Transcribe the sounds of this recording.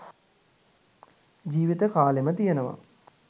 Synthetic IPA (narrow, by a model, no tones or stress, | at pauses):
d͡ʒiːʋit̪əkaːlemət̪ijənəʋa̰